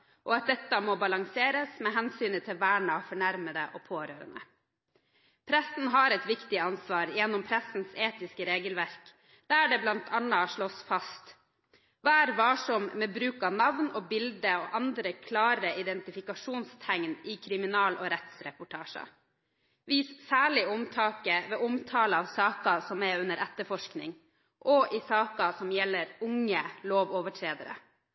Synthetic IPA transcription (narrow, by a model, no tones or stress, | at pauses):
ʔɔɑt̪̚d̪ɛt̪ːəmoːbɑlɑŋseːɾəsmɛɦɛnsyːnət̪ʰɪlʋæːɳɑfɔɳæɾməd̪əʔoːpʰoːɾøːɾə̰nə̰ | pʰɾæsn̩ɦɑɾɛt̪ʋɪkt̪ɪɑnsʋɑːɾjɛnːɔmpʰɾæsn̩seːt̪ɪskəɾeːɡəlʋæɾk | d̪̥æɖɛblɑnt̪ʰɑnɑʂɭɔsfɑst̪ | ʋɑːæːɾʋɑːʂɔmmɛbɾʉːkɑʋnɑʋnɔːbɪld̪əoʔɑnd̪ɾəkʰlɑːɾəɪd̪ɛnt̪ɪfɪkɑʂuːnst̪ʰæŋnɪkʰɾɪmɪnɑːlʔɔːɾɛt̪sɾɛpʊʈʰɑːʂə̰ | ʋiːssæːɭɪɔmt̪ʰɑːkəʋɛːʔɔmt̪ʰɑːləɑʋsɑːkɑsɔmɛʉnəɾʔɛt̪ːəfɔʂknɪ̰ŋ | ʔɔʔɪsɑːkɑsɔmjɛlːəɾʊŋːəloːʋɔʋəʈʰɾeːd̪ə̰ɾə̰